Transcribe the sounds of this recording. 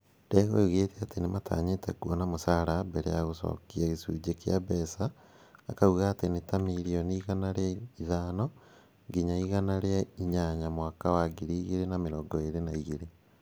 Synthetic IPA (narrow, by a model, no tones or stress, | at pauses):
deɣouɣeteatenemʔatʰa̰ːɲetekwɔnamosaːɾabɛɾḛjaɣosɔ̰kiaɣisuːd͡ʒekea̰βɛsaː | kauɣaːtenetamiɾiɔniiɣanaɾeaiðaːnɔ | ɡiɲaiɣanaɾeaiɲaɲamwakawaɡiɾiːɣeɾenameɾɔɡɔeɾenaiɣiɾe